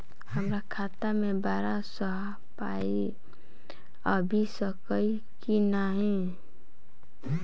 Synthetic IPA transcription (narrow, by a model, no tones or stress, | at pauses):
həmɾakʰaːt̪amẽbaːɾasəɦ | pa | i | əbʱisəkəi | kinaɦĩ